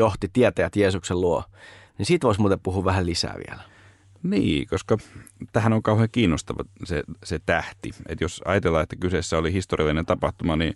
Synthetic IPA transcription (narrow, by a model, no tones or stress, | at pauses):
joht̪it̪iæt̪ææt̪jeːsukselluonisiːt̪ʋoˑismuːt̪epuhuːʋʋæhællisæ̰ːʋḭæ̰læ | niːkoskɑt̪æhænoŋkɑuheːkiːnːost̪ɑʋɑ̰seset̪æht̪iḛt̪josɑ̰jɑt̪elːɑet̪ːækysesːæolihist̪orḭɑlːinent̪ɑpɑht̪umɑni